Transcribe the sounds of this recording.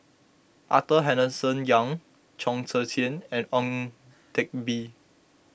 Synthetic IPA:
ʔa̰təɦɛ̃nəsə̃njãŋ | t͡ʃʰɔ̃ŋsətʰiə̃nɛ̃nɔ̃ŋ | tʰɛk̚bi

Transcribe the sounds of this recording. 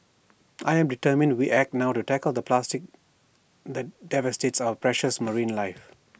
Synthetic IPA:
ʔaɪɛ̃mɖitəɾmɪ̃ndwiʔɛk̚tnaʊtutɛkəld̪əplastɪk̚ | d̪ɛt̚dɛvəstetsɔvpɹɛʃəsməɹĩːnlaɪf

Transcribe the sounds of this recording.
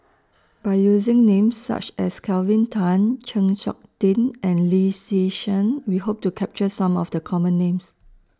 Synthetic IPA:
b̥aɪjuzɪ̃ŋnẽmsːa̰t͡ʃɛskʰɛlvɪ̃ntʰãnt͡ʃə̃ŋt͡ʃɔ̰k̚tĩnɛ̃nlisiʃə̃nwihop̚tukʰɛp̚t͡ʃəsãmɔfdəkʰɔmə̃nːẽms

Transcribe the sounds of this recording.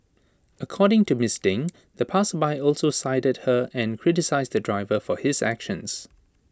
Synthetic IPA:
ʔəkʰɔːɾɪ̃ŋtumɪsdɪ̃ŋ | ðəpʰasəbaɪɔlˠsosaɪdəd̚həɛ̃nkʰɹ̥ɪtɪsaɪzd̪ədɹaɪvəfɔhɪzæ̰kʃə̃ns

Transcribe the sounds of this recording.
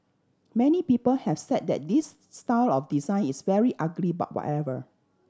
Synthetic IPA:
mɛnipipəlhɛv̥sɛd̚dɛ̰t̚disː | taɪlɔfdizãɪ̃nisvɛɹiʔaɡliba̰t̚wɔ̰tɛvə

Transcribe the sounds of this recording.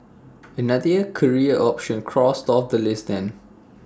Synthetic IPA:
ənadiəkʰəɹiəʔɔpʃə̃nkʰɹɔstɔfd̪əlɪsdɛ̃n

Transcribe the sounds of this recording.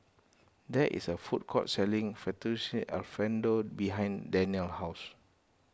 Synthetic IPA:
dɛʔḭsəfut̚kʰɔtsɛlĩŋfɛtisiʔa̰lfɛ̃ndobiɦãj̃ndɛ̃niəlhaʊs

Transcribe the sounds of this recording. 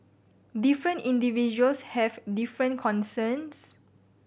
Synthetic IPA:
difɹə̃ntĩndivid͡ʒuəlshɛvdifɹə̃ntkʰɔ̃nsəns

